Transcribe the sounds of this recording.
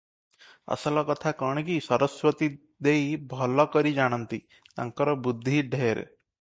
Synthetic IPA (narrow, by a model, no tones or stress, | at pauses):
a̰sɔlɔkɔt̪ʰakɔɽ̃ekisɔɾɔswɔt̪i | d̪ejbʱɔlɔkɔɾid͡ʒaɽ̃ɔnt̪i | t̪a̰ŋkɔɾɔbud̪ʱːiɖʱeɾ